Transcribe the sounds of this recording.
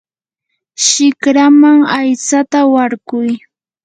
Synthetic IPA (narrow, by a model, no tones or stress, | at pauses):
ʃɪkɾamaŋajt͡sat̪awaɾɢʊj